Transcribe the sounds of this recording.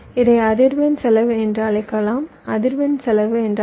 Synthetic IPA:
ɪðɐɪɐðɪɾʋɐnsɛlɐʋɯɛndrɐɭlɐɪkːɐlaːm | ɐðɪɾʋɐnsɛlɐʋɯɛndr

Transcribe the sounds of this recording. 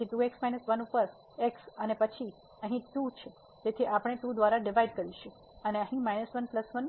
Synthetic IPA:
iʈ̪ueksmajnəsʋənupəɾ | eksənepət͡ʃʰi | ə̃ɦĩʈut͡ʃʰe | d͡ʒet̪ʰiʔapəɽ̃eʈud̪ʋaɾaɖiʋaiɖkəɾiʃu | əneə̃ɦĩmajnəsʋənpləsʋən

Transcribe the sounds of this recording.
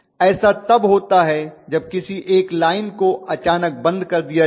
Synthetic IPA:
ɛːsat̪ɐbɦoːt̪aɦɛd͡ʒɐb̚kɪsiʔeːklaːɪnkoɐt͡ʃaːnək̚bɐ̃nd̪kɐɾd̪ija

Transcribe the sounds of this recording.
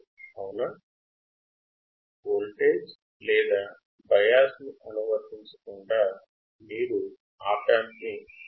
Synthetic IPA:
ɐwna | ɡoːlʈeːd͡ʒ | lɛːd̪aː | bɐjaːsniʔɐnuʋɐɾt̪iɲt͡ʃɐ̥kuɳɖaː | miːɾu | aːʈaːmiki

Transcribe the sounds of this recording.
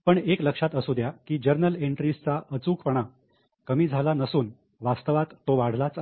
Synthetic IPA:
pəɳekləkʂat̪əsud̪ʱjakiːd͡ʑəɾnəleɳʈɾist͡saʔət͡suːkpəɳ̃a | kəmiːd͡zʱalanəsuːn | ʋast̪əʋat̪ːoʋaɽ̤lat͡s

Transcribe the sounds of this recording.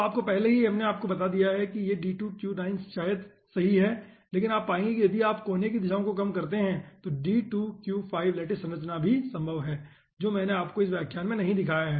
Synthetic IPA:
aːp̚kopɛɦleɦiɦɐmneaːp̚kobɐt̪ad̪ijaɦɛkijeɖiːʈuːkjuːnaːɪnsʃaːjəd̪ | sɐɦiɦɛː | leːk̬ɪnaːpːaːẽːŋɡekijɐd̪ʱiaːpkoːnekid̪ɪʃaːõkokɐmkɐɾt̪eɦɛ̃t̪oɖiːʈuːkjuːfʰaːɪʋleːʈɪsɐ̃nɾət͡ʃnabʱisɐ̃mbʱəʋɦɛː | d͡ʒoːmɛ̃ːneaːp̚koɪs̬ʋjaːkʰjaːnmẽnɐɦĩd̪ɪkʰaːjaɦɛː

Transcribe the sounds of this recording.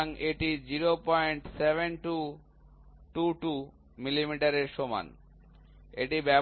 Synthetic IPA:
ŋeʈid͡ʑiɾopɔjɳʈsebʱenʈu | ʈuʈu | milimiʈaɾeɾʃoma̰n | ḛʈibɛ

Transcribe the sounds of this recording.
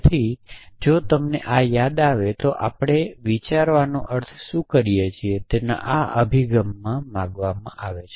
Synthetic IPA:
t̪ʰid͡ʒot̪əmneʔajad̪aʋet̪oʔapɽ̃eʋit͡ʃaɾʋanõʔəɾt̪ʰʃũkəɾijet͡ʃʰiet̪ena̰ʔaə̰bʱiɡəmːãmãɡʋamã̰ʔaʋet͡ʃʰ

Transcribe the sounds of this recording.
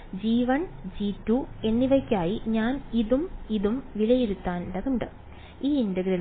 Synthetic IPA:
d͡ʑiːʋɐɳd͡ʑiːtːue̞nːiʋɐkʲːaːjiɲaːniðumiðumʋilɐjiɾut̪ːaːnɖɐðuɳɖɨ | iːindɐɡɾɐ

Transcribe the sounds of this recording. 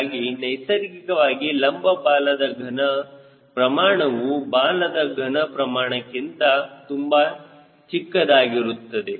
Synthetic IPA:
ɡinɐjsɐɾikikɐʋaːɡilɐmbɐbaːlɐd̪ɐɡʱɐnɐ | pɾɐmaːɳɐʋubaːlɐd̪ɐɡʱɐnɐpɾɐmaːɳɐkːint̪ɐt̪umbɐ | t͡ʃikːɐd̪aːɡiɾut̪ːɐd̪e

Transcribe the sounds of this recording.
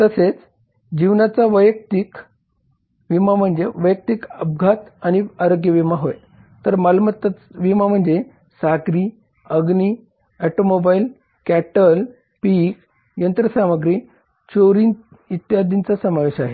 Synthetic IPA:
t̪əset͡s | d͡ʑiʋnat͡saʋəjək̚t̪ik | ʋimam̤əɳd͡zeʋəjək̚t̪ikəb̚ɡʱat̪añiaɾoɡjəʋimaɦoj | t̪əɾmalmət̪ʋimam̤əɳd͡ze | saɡɾiː | əɡni | æʈomobail | kæʈəl | pik | jənt̪ɾəsaməɡɾiː | t͡ɕoɾin | it̪jad̪int͡sasəmaʋeɕaɦe

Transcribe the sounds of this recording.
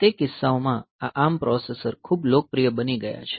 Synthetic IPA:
t̪ekɪsːaomãaʔampɾɔsesəɾkʰublok̚pɾijəbəniɡəja̰t͡ʃʰe̥

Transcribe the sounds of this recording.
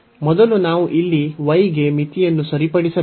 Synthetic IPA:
mɔd̪ɐlunaːʋuʔilːiʋɐjɡemit̪ijɐnːusɐɾipɐɽisɐ

